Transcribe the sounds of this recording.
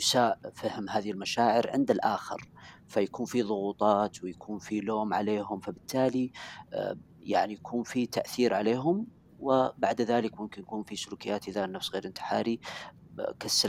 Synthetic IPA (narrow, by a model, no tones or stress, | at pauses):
saːʔfahmɦaːðiɪlmaʃaːʕɪɾʕɪnd̪alʔaːxɪ̰ɾfajakuːnfiðˤʊɣuːt̪ˤɑːt̪wɪjakʰuːnfiloːmʕa̰leːɦʊmfabɪt̪ːaːli | jaʕnijakʰuːnfit̪aʔθiːɾʕaleːɦʊm | wɪbaʕd̪ðaːlɪkmʊmkɪnjakuːnfisʊluːkɪjːaːt̪ʔɪðanːafsɣeːɾʔɪnt̪ɪ̥ħaːɾi | kasːa